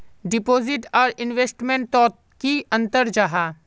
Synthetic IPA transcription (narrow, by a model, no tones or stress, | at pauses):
ɖɪpoːzɪʈɔːɾɪnʋeːsʈmẽɳʈ̚t̪ɔːt̪ | kiɐ̃nt̪əɾd͡ʒaɦaː